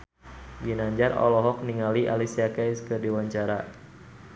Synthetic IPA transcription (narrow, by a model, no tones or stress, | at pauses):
ɡinaɲd͡ʒarɔ̰lɔɦɔk̚niŋaliʔa̰lisiakaskədiwaɲt͡ʃaɾa